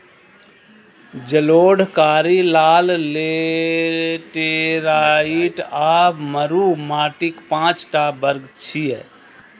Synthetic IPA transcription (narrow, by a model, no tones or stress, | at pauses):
d͡ʒəloːɽkaːɾilaːlle | ʈeɾaːiʈaːbməɾuːmaːʈɪkpãːt͡ʃʈabəɾɡt͡ʃʰiɛː